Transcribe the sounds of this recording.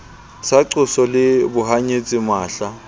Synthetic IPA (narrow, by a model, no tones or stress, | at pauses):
saǀʊsɔlɪbʊɦaɲet͡sʼimaːɬa